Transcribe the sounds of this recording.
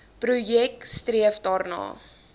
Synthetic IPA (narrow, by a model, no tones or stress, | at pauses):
prujɛk̚striəfdɑːrnɑ̰ː